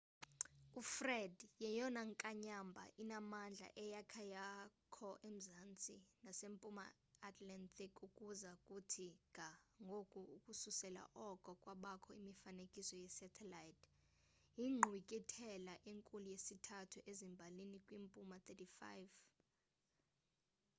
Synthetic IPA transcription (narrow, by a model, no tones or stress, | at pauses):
ufrɛdjɛjɔnaŋkʼaɲambʱa̰ʔinamand͡ɮʱa̰ʔɛjakʰajakʰɔʔem̩zant͡sʼinasempʼuma̰ː | tʰʼlantʰikʼukʼuzakʼutʰikaŋɡʱokʼuukʼususɛla̰ʔɔkʼɔkʼwaɓakʰɔimifanekʼisɔjɛsɛtʰɛlajtʰ | iŋ͡ǃʱwikʼitʰɛlaʔeŋkʼulujesitʰatʰuʔezimbʱalinikʼwimpʼumat̪ʰɛtifa̰jv